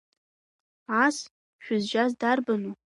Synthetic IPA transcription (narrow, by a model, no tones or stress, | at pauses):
as | ʃᶣʊzʒazdarbanu